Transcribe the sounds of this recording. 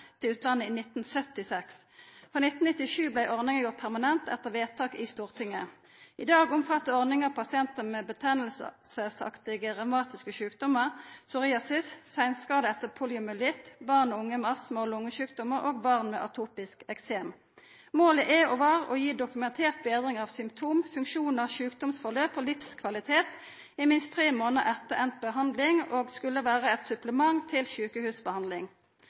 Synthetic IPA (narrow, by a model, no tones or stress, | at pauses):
t̪ʰɪlʉːt̪ʰlɑnːəiːnɪt̪n̩sœt̪ɪsɛks | fʁoːnɪt̪n̩nɪt̪ːɪʃʉːblæɪʔɔʁnɪŋəʁjʊʁt̪̚pʰæʁmɑnɛnt̪ɛ̰t̪əʁʋeːt̪ʰɑːkiːst̪uːʁt̪ʰɪŋːə | ʔɪd̪ɑːɡʊmfɑt̪ːəɔʁnɪŋəʁpʰɑsɪɛnt̪əmeːbət̪ʰɛnəl̩ssəsɑ̰kt̪ɪɡəʁɑmɑːt̪ɪskəʃʉːkd̪ɔməʁsʊʁɪːɑsɪssæɪnskɑːd̪əɛt̪əpʰuːlɪʊmɛlɪt̪bɑʁnɔʊŋːəmɑsmoːlʊŋːəʃʉːkd̪ɔməʁoːɡbɑʁnmḛːʔɑt̪ʰuːpɪskɛkseːm | moːləʔɛoʋɑːʁo̰ːjiːd̪ʊkʉmɛnt̪ʰeːʁt̪̚beːd̪ʁɪŋɑːʋsʏmpt̪ʰuːmfʉŋkʃuːnɑʋʃʉːkd̪ɔmsfɔʁløːpoːlɪfskʰʋɑlɪt̪ʰeːt̪ | ɪmɪnst̪ʰʁeːmoːnəʁɛt̪ːəʁɛnt̪̚bəɦɑnd̪lɪŋoːɡskʉlːəʋæːʁəɛt̪sʉpləmɑŋt̪ʰɪlʃʉːkəhʉːsbəhɑnd̪lɪŋ